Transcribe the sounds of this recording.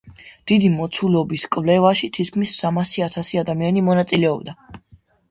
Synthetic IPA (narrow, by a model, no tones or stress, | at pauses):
d̪̥id̪imɔt̪sʰulɔbiskʼvlɛvaʃit̪ʰit̪̚kʰmisːamasiat̪ʰasiad̪amianimɔnat̪sʼilɛɔbd̪a